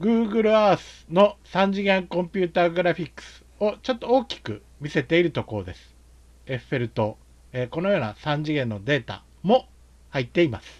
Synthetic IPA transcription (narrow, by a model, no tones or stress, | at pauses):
ɡɯ̟ːɡɯ̟ɾɯ̟aːsɨ̥no̞sãɲ̟d͡ʑiɡẽ̞ŋkõ̞mpʲɯːt̪aːɡɯ̟ɾaɸʲikːɯ̥sɨ̥o̞t͡ɕot̪ːo̞oːkʲi̥kɯ̟̰ | mʲise̞t̪e̞iɾɯ̟t̪o̞ko̞ɾo̞d̪e̞sɨ̥ | e̞ɸɯ̟̥e̞ɾɯ̟t̪o̞ | eːko̞no̞jo̞ːnasãɲ̟d͡ʑiɡẽ̞nːo̞d̪e̞ːt̪a̰ | mo̞ | hait̪ːe̞imasɨ̥